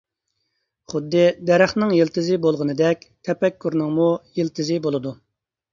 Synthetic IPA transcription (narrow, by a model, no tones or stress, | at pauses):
χʊd̪ːɨd̪ɛɾæχnɨŋjilˠt̪ʰɨzɨbolˠʁənɨd̪ɛkʲt̪ʰɛpɛkʲʰːuɾnɨŋmujilt̪ʰɨzɪbolˠɨd̪u